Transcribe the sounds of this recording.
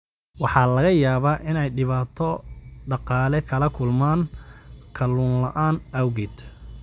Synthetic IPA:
wɑħɑːlɐɣɐjaːβaːʔɪnɛjɖɪβaːt̪ʰɔɖɑqɑːlɛkʰɐlɐkʰʊlmaːnkʰɐluːnlɐʔaːnɐwɣɪd̪

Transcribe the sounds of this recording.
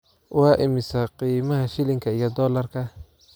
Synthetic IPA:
wɑːʔɪmɪsɐqiːmɐɦɐʃɪlɪŋkʰɐijɔd̪ɔːlɐrkʰɐ

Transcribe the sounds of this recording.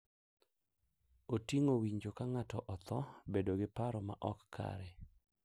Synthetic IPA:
otiŋowiɲd͡ʒokaŋatɔʔɔt̪ɔbedoɡɪpaɾɔma̰ʔɔkːʰa̰ɾɛ

